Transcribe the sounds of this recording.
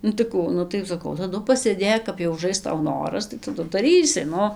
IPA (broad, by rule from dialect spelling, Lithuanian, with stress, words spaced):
ˈnʊ tɐɪ ˈkuː ˈnʊ tɐɪ sɐˈkɐʊ tɐˈdʊ pɐsʲeːˈdʲeːk kɐp jɛʊ ʊˈʒɐɪs ˈtɐʊ ˈnoːrɐs tɐɪ tɐˈdʊ dɐˈrʲiːsʲɪ ˈnʊ